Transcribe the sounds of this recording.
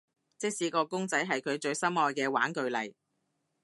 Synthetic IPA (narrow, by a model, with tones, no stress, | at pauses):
t͡sɪ˥k̚siː˨˥kɔː˧kʊ˥ŋt͡sɐ˨˥jɦɐ˨jkʰɵ˨˧ɥt͡ʃɵ˨˧ɥsɐ˥mɔː˧jkɛː˧wa̰ː˨˥nkɵ˨˧ɥlɐ˨j